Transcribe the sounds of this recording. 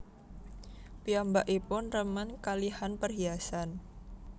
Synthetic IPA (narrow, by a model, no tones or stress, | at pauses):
piambaʔipʊnrəmənkalihanpərɦiasan